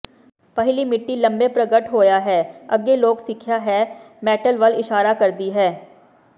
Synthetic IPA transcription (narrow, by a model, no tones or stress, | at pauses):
pɐɦlimɪʈːilɐ̃mbepɾɐɡəʈɦoːjaɦɛːɐɡeloːksɪkʰjaɦɛː | mɛːʈəlʋɐlɪʃaːɾakɐɾd̪iɦɛː